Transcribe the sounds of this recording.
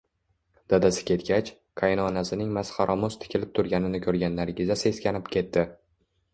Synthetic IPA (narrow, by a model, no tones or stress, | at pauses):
d̪̥ad̪asɪ̥kʲʰe̞t̪ɡʲat͡ʃ | kʰajnɒːnasɪnɪŋmasχɑɾʔɒmʊst̪ʰɪ̥kʲʰɪlɪp̚t̪ʰʊɾɡʲanɪnɪkʲʰɵɾɡʲanlːaɾɪɡʲɪzase̞skʲanɪpkʲʰe̞t̪ːɪ